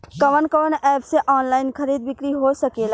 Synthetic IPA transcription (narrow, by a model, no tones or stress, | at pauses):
kəʋənkəʋənɛːpseʔaːnlaːɪnkʰəɾiːd̪̚bɪkɾiɦosəkeːla